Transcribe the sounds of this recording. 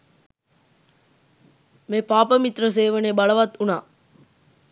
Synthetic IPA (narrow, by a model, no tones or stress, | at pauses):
mepaːpəmit̪rəs̬eːʋɐneːbɐɭɐʋɐt̪ːunaː